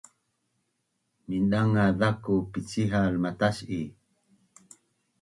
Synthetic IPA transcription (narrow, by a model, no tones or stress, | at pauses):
minɗaŋaðakupit͡siɦalmataɕi